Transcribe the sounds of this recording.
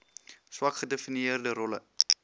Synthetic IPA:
swɐkχədefiniəərdəɾɔlə̰

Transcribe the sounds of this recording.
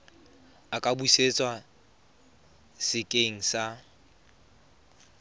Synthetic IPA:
akʼabuset͡sʼwa | sɪkʼeŋ̩sa

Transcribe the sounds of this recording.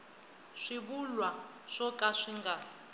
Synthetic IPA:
ʂibulwa | ʂɔkʼaʂiŋɡa

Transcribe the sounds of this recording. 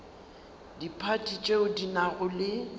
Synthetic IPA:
dipʰatʼit͡ʃʼeʊdinaɣʊlɪ

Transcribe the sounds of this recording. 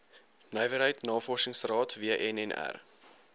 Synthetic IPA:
nəjvəɾɦəjtnɑːfɔrsəŋsrɑːtviəʔɛnɛnæ̰r

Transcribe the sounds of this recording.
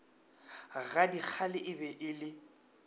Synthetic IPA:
ɣadik͡xʰalɪʔɪbɛʔɪlɪ

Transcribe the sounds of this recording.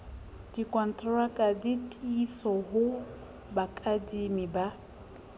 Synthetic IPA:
d̥ikʼɔn̩tʰʼrakʼaditʼisɔɦʊ | bakʼadimiba

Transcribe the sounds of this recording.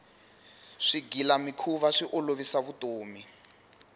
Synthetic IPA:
ʂiɡilamikʰuβaʂiʔoloβisaβutoːmi

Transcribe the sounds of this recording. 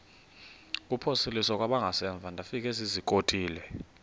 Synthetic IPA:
k̬ʼupʰosilisɔk̬ʼwaɓaŋɡʱasɛɱb̪vʱandʱafik̬ʼɛzizikʼotʼiːlɛ

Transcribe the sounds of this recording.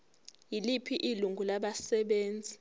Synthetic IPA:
jilipʰiʔiluŋɡʱulaɓasɛɓeːnd͡zʱi

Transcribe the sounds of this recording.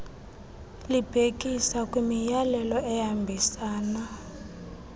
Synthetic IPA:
lib̥ʱek̬ʼisakʼwimijalɛlɔɛjambʱisaːna

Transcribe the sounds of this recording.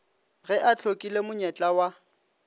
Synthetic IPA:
ɣɛʔat͡ɬʰokʼilemʊɲɛt͡ɬʼawa

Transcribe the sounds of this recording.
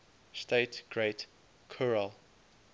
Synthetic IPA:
steɪtɡ̥ɹeɪt | kʰɔɹəl

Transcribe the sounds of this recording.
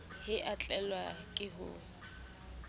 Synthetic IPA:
hɪʔat͡ɬʼɛlwakʼɪɦʊ̰

